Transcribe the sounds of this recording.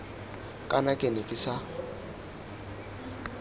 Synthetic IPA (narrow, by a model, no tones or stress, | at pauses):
kʼanakʼenɪkʼɪsa